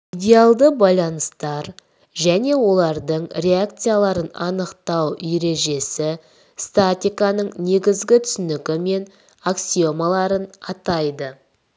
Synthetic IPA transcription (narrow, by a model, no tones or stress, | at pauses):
idʲe̞alˠd̪əbɑjlˠɑnəst̪ɑɾ | ʒæne̞wo̞lˠɑɾd̪əɴɾeakt̪sɨjalˠɑɾənɑnəqt̪ɑwjeɾe̞ʒe̞sɪ | st̪at̪ʲijkanəɴne̞ɡʲɪzɡʲɪt̪ʰʏ̥sʏnɪkʲɪme̞n | aksio̞malˠɑɾənɑt̪ɑjd̪ə